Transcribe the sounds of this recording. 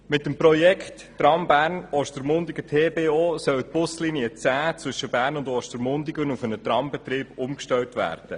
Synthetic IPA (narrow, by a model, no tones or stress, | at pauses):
mɪt̪ːəmpɾɔjɛkχtːɾɑmbæːɾnɔʃtəɾmʊnd̪iɡətʰeːbeːoːsœwt̚pʊsliniət͡sæːt͡sʋʏʃəbæːɾnʊndɔʃtəɾmʊndɪɡənufənət̪rɑmbɛt̪ɾiːb̥ʊmkʃtɛwtʋæ̰ːɾd̥ə